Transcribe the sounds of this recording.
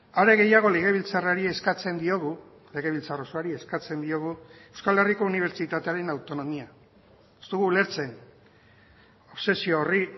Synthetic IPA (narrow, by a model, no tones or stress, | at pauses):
aɾe̞ɣe̞jaɣ̞o̞le̞ɣ̞e̞βilt͡saraɾieskat͡se̞nd̪io̞ɣu | le̞ɣe̞β̞ilt͡sarosoaɾie̞skat͡se̞nd̪io̞ɣ̞ue̞wskaleriko̞uniβ̞e̞ɾt͡ʃit̪at̪eaɾe̞nawt̪o̞no̞mia | est̪uɣuːle̞ɾt͡se̞n | o̞βse̞sioːri